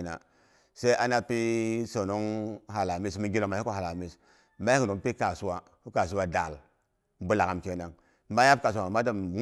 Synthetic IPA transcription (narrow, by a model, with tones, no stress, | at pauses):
na̰˨ | se˦i˦ʔa˦na˦pi˦so˨no˦ŋɦa˨la˨mi˦smi˦ɡi˦lo˨ma˨i˦ko˦˨ha˨la˨mi˦s | ma˦i˦ko˨˦ŋ˦pi˦ka˨su˦wa˨ | ku˦ka˨s̬u˦wa˦da˨l | bu˦la˨ka˨mke˦na˨ŋ˦ | ma˦ja˦b̚ka˨s̬a˨ma˦da˦mŋ